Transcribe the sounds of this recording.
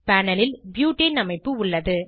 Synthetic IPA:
pæːnɐlɪlbjuːʈːinɐmɐɪpːɯʊɭːɐðɯ

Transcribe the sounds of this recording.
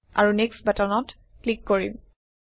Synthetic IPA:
a̰ɹuneksbatɔnɔt | klikːoɹḭm

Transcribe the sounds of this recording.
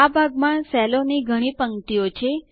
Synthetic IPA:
abʱaɡmaɳsɛloniɡʱəɽ̃ĩpəŋʈ̪ijot͡ʃʰe

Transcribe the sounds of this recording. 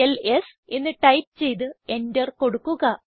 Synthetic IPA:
elesenːɨʈɐjp̚t͡ɕe̞jt̪̬ɨe̞ndɐrko̞ɽukːuɣɐ

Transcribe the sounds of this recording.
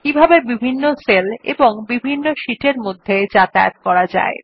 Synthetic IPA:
kibʱabebibʱinːoselḛboŋbibʱinːoʃiʈeɾmod̪ʱːed͡ʑat̪aj̰t̪̚kɔɾad͡ʑa̰e

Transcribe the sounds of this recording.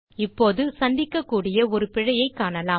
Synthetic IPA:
ɪpːoːðɯsɐnd̪ɪkːɐkːuːɽɪjɐɔɾɯpɪɻɐjɐɪkːaːɳɐlaː

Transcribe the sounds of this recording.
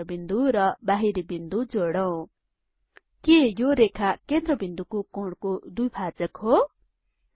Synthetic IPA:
bind̪uɾʌbaɦiɾibind̪ud͡zoɽʌw̃ | kejoɾekʰakend̪ɾʌbind̪ukokoɽkod̪ujbʰʱad͡zʌkɦo

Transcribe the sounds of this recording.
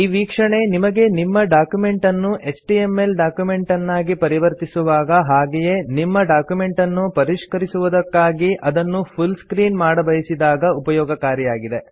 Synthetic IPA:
iːʋiːkʂɐɳe̞nimɐɡe̞nimːɐɖaːkjume̞ɳʈɐnːuʔe̞sʈiemːelɖaːkjume̞ɳʈɐnːaːɡipɐɾiʋɐɾt̪isuʋaːɡɐɦaːɡeje̞nimːɐɖaːkjume̞ɳʈɐnːupɐɾiʂkɐɾisuʋud̪ɐkːaːɡiʔɐd̪ɐnːupʰulskɾiːnmaːɽɐbɐjɐsid̪aːɡɐupɐjɔːɡɐkaːɾjɐjaːɡid̪e̞

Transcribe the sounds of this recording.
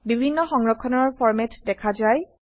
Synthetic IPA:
bibʱinːɔxɔŋɹɔkʰːɔnɔɹpʰɔɹmɛtdɛkʰazaj

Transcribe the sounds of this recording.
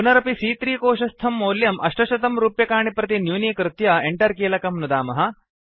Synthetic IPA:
punɐɾɐpisiːt̪ɾiːkoːʃɐst̪ʰɐmːoːljɐmʔɐʂʈɐʃɐt̪ɐmɾuːpjɐkaːɳipɾɐt̪̬injuːnikɾɪt̪jɐeɳʈɐɾkiːlɐkɐmnud̪aːmɐɦɐ̆

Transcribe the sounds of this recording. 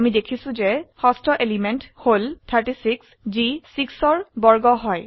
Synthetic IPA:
amidekʰisũzehɔstʰɔʔelimentholtʰaɹʈisiks | d͡ʒisiksɔɹbɔɹɡɔɦɔj

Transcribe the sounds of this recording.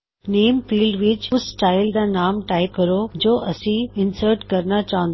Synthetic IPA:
neːmfiːlɖʋɪt͡ɕʊssʈaːɪld̪anaːmʈaːɪp̚kɐɾod͡ʑoːʔɐsĩɪnsəɾʈkɐɾnat͡ɕaːə̃nd̪

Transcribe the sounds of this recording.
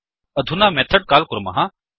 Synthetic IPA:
ɐd̪ʱunaːmɛːt̪ʰəɖ̚kaːlkʊɾma̰ɦã

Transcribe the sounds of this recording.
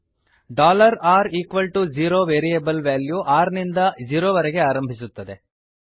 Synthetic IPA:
ɖaːlɐɾaːɾiːkʋɐlʈud͡ʒiːɾoːʋeːɾijebɐlʋaːljuʔaːɾnind̪ɐd͡ʒiːɾoːʋɐɾɛɡe̞aːɾɐmbʱisut̪ːɐd̪e̞

